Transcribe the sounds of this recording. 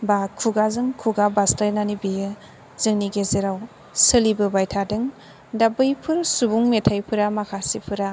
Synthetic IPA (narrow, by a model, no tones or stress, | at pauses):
bakʰːuɡazɯŋkʰuɡabastajnanibijɯ | z̥ɯŋniɡeziɾaw | sɯlibɯbajtʰadɯŋ | dabɯjpʰɯɾsubuŋmetʰajpʰɯɾamakʰasipʰɯɾa